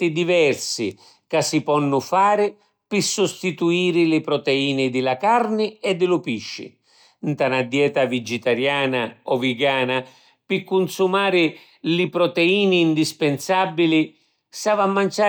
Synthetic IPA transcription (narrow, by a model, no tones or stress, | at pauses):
t̪ɪd̪ivɛrsɪ | kasːipɔnːʊfaːɾɪ | pɪsʊst̪it̪uiːɾɪlɪpɾɔt̪ɛiːnɪd̪ɪlakarnɪɛd̪ːɪlʊpiʃːɪ̰ | nt̪anad̪ːjɛːt̪avid͡ʒɪt̪aɾjaːnaɔvɪɡaːna | pɪkːunsumaːɾɪ | lɪpɾɔt̪ɛiːniːnd̪ispɛnsabːilɪ | savamːant͡ʃaː